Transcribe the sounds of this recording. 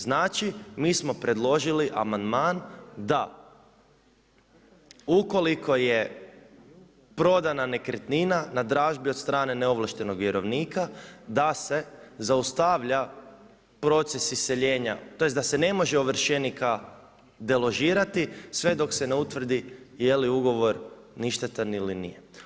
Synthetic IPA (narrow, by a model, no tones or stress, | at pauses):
znaːt͡ʃimiːsmo̞pɾe̞d̪lˠo̞ʒiliʔa̰mand̪maːnd̪a | uko̞likʰo̞je | pɾo̞d̪anane̞kɾet̪ninanad̪ɾaːʒbio̞t̪st̪ɾaːne̞neo̞ʋlˠaʃt̪e̞no̞ɡʋjeɾo̞ʋniːkad̪ase̞zaust̪aʋʎa | pɾo̞t̪sesisːe̞ʎe̞ːɲa̰t̪o̞jesd̪asene̞mo̞ʒeoʋr̩ʃenika | d̪e̞lo̞ʒiːɾat̪isʋe̞d̪o̞kseneut̪ʋr̩d̪ijeliuɡo̞ʋo̞ɾ | niʃt̪et̪anilinḭje